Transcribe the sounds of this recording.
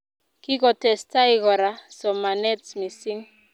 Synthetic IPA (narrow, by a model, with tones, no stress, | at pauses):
ki˦kɔ˨tɛ˨sta˦i˦kɔ˨ɾa˦sɔ˨ma˨nɛ˦tsmi˨si˦ŋ